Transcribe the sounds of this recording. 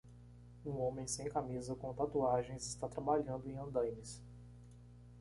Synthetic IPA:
ũõmẽj̃sẽj̃kamizɐkõt̪at̪uaʒẽj̃zɪst̪at̪ɾabaʎɐ̃nd̪ʊẽj̃ɐ̃d̪ɐ̃jmɪs

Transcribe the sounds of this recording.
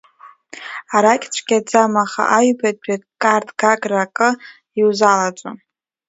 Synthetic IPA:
aɾakʲʼt͡ɕʷʰɡʲad͡zamaχa̰ʔaɥbadʼakʼartʼʰɡaɡʼrakʼɨ | iwzalat͡sʷʼo

